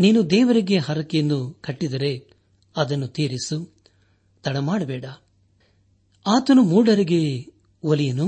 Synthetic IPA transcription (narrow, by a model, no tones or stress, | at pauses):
niːnud̪ɛːʋɐɾiɡe̞ɦɐɾɐkejɐnːukɐʈːid̪ɐɾe̞ | ɐd̪ɐnːut̪iːɾisu | t̪ɐɽɐmaːɽɐbɛːɽɐ | aːt̪ɐnumuːɽɐɾiɡe̞ | olijɐnu